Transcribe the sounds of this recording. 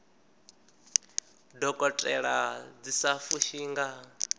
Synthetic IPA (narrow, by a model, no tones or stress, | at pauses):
dɔkʼɔtʼɛɺad͡zisafuʃiːŋɡa